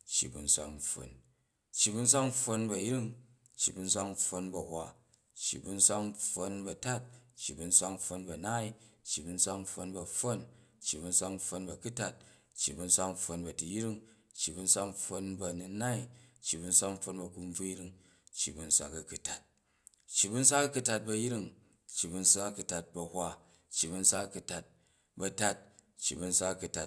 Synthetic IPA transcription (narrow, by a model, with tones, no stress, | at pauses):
t͡ʃːḭ˨bṵ˨n̩˦sʷa̰˦˧k̩ɸo̰˨n | t͡ʃːi˨bu˧˦n̩˦s̬ʷa˦kɸo˧nbɐ˨ji˦ɾi˦ŋ | t͡ʃːḭ˨bu˧n̩˦s̬ʷa˦kɸo˧nbɐ˨hwʷa˨ | t͡ʃːḭ˨bu˧n̩˦sʷa˦kɸo˧nbɐ˨ta˦t̚t͡ʃːi˨bu˧n̩˦sʷa˧k̩ɸo˧nbɐ˨na˦i˨t͡ʃːi˨bu˧n̩˦sʷa˦kɸo˧nbɐ˨ɸo˦n | t͡ʃːi˨bu˧n̩sʷa˧kɸo˧nbɐ˨ku˦ta˦t̚ | t͡ʃːi˨bu˧n̩˦sʷa˧k̩ɸo˧nbɐ˨tu˨ji˦ɾi˦ŋ | t͡ʃːi˨bu˧n̩˦sʷa˦k̩˦˧ɸo˧nbɐ˧nu˧˦na˦i˨t͡ʃːi˨bu˧n̩˦sʷa˦km̩˦ɸo˧nbɐ˨ku˧m˦b͡vu˦ji˦ɾi˧ŋ | t͡ʃːḭ˨bu˧n̩˦sʷa̰˧kɐ˨ku˨ta˨t̚ | t͡ʃːi˨bu˦n̩˦s̬ʷa˦kɐ˦ku˧ta˧t̚bɐ˧ji˦ɾi˦ŋ | t͡ʃːi˨bu˧n̩˦sʷa˦kɐ˦ku˧ta˨t̚bɐ˧hʷa˧ | t͡ʃːi˨bu˧n̩˦sʷa˦kku˧ta˨t̚ | bɐ˧ta˦t̚ | t͡ʃːi˨bu˧n̩˦sʷa˦kɐ˧ku˧ta˧